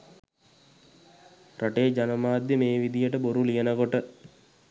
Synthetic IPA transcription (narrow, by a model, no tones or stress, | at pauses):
raʈed͡ʒanəmaːd̪jəmeːʋid̪ijəʈəboɾulijənəkoʈə